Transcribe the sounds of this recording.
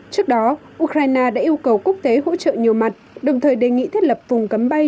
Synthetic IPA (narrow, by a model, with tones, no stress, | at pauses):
t͡ɕɨ˦˥ək̚ɗɔ˨˦ʔu˧˥kɾaː˧jnaː˧ɗa̰ː˧˥ʔi˧ə˧wkə˨˩wku˦˥ək̚t̪e˨˦ɦo̰˧˥t͡ɕə̰ː˧˨ɲi˨˩əwma˨˩t̚ɗə˨˩wŋ͡mt̪ʰəː˨˩jɗe˨˩ŋḭ˧˨t̪ʰjt̚lə˨˩p̚vʊ˨˩ŋ͡mkə˨˦mɓa˧j